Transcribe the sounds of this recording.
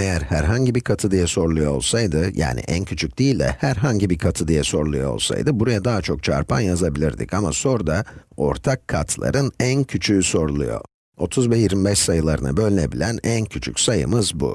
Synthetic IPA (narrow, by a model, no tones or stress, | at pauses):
ejæɾhæɾɦaɲɟibikʰat̪ʰɯd̪ijɛso̞ɾlˠujo̞ːolˠsajd̪ɯjʔa̰ːnḭʔæncʰyt͡ʃʰyc̚d̪̥iːlʲd̪ɛ̰hæɾɦaɲɟibikʰat̪ʰɯd̪ijɛso̞ɾlˠujoo̞̰lˠsa̰jd̪ɯbuɾajad̪aɦat͡ʃʰo̞k̚t͡ʃʰa̰ɾpʰa̰njazabilʲiɾd̪ḭcama̰so̞ɾd̪ao̞ɾt̪ʰakʰːat̪ʰlˠa̰ɾɯnæncʰyt͡ʃʰyːso̞ɾulˠṵjo̞̰ | o̞t̪ʰuzbɛjiɾmibɛʃsajɯlˠaɾɯna̰bø̞lʲne̞bilʲænæncʰyt͡ʃʰycsajɯ̰mɯzbṵ